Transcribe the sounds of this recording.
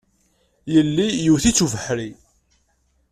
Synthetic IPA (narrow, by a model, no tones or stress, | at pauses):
jəlːijuθit͡sːuvəħɾi